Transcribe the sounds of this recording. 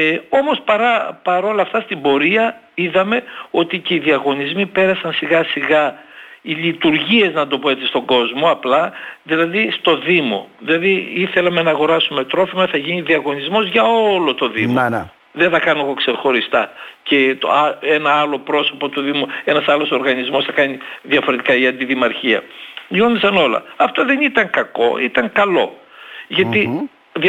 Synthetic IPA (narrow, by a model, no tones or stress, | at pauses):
o̞mo̞spɐɾɐpɐɾo̞lɐft̪ɐst̪imbo̞ɾiɐ | iðɐme̞o̞t̪ice̞iðiɐɣo̞nizmipe̞ɾɐsɐnsiɣɐsiɣɐiʎit̪uɾʝie̞znɐnd̪o̞poe̞t̪est̪o̞ɡo̞zmo̞ɐplɐðilɐðist̪o̞ðimo̞̰ðilɐðiiθe̞lɐme̞nɐːɣo̞ɾɐsume̞t̪ɾo̞fimɐθɐʝiniðiɐɣo̞nizmo̞zʝɐo̞lo̞t̪o̞ðimo | ðeθɐkɐnoɣo̞ksexo̞ɾist̪ɐce̞t̪o̰enɐɐlo̞pɾo̞so̞po̞t̪uðimue̞nɐsɐlo̞so̞ɾɣɐnizmo̞sθɐkɐniðiɐfo̞ɾe̞t̪i̥kɐiɐnd̪iðimɐɾçiɐ̰onisɐno̞lɐ̰ɐft̪o̞ðe̞nit̪ɐŋkɐko̞̰it̪ɐŋkɐlo̞ʝɐt̪i | ð